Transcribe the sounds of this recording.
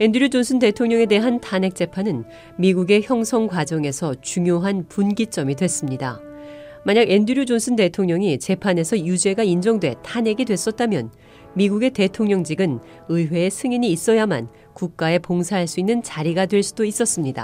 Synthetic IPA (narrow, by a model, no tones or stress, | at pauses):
e̞ndɯɾjod͡ʑonsʰɯnde̞tʰoŋɲʌŋe̞de̞ɦantʰane̞k̚t͡ɕ͈e̞pʰanɯn | miɡuɡe̞çjʌŋsʰʌŋɡwad͡ʑʌŋe̞sʰʌt͡ɕuŋjoɦanpunɡit͡ɕ͈ʌmidwe̞s͈ɯmɲida | maɲaɡe̞ndɯɾjud͡ʑonsʰɯnde̞tʰoŋɲʌŋit͡ɕe̞pʰane̞sʰʌjud͡ʑe̞ɡaind͡ʑʌŋdwe̞tʰane̞ɡidwe̞s͈ʌt̚t͈amjʌ̰n | miɡuɡe̞te̞tʰoŋɲʌŋd͡ʑiɡɯn | ɯiwe̞ːsʰɯŋiɲiːs͈ʌjama̰n | kuk̚k͈ae̞poŋsʰaɦaɭs͈uinːɯnt͡ɕaɾiɡadwe̞ɭs͈udois͈ʌs͈ɯmɲida̰